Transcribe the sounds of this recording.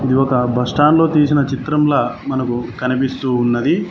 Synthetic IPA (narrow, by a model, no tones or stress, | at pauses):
id̪iɔkɐbʱɐsʈaːnlo̞ːt̪iːsinɐt͡ʃit̪ɾɐmlaːmɐnɐkukɐnipist̪uːnːɐd̪i